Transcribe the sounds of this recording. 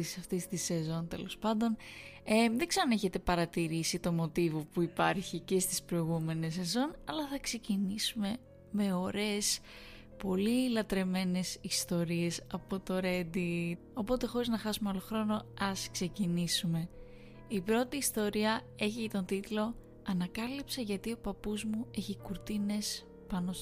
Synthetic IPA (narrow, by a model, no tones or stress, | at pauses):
sɐft̪ist̪ise̞zo̞nt̪e̞̰lo̞spɐnd̪o̞neðeɡzeɾoneçe̞t̪e̞pɐɾɐt̪iɾisit̪o̞mo̞t̪ivo̞puipɐɾçice̞st̪ispɾo̞iɣume̞ne̞s̬e̞zo̞nɐlɐθɐkse̞cinisume̞ | me̞oɾes | po̞lilɐt̪ɾe̞me̞ne̞sist̪o̞ɾie̞sɐpo̞t̪o̞ɾe̞d̪i | o̞po̞t̪e̞xo̞ɾiznɐxɐsumeo̞lo̞xɾo̞no̞ɐskse̞cinisume̞ | ipɾo̞t̪iːst̪o̞ɾiɐe̞çiet̪o̞nt̪it̪lo̞ | ɐnɐkɐlipsɐʝɐt̪io̞pɐpuzmue̞çikuɾt̪ine̞s | pɐno